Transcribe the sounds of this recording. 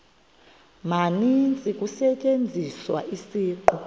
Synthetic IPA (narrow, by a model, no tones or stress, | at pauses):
manint͡sʼikʼusɛt͡ʃʼend͡zʱiswa̰ʔisiːǃu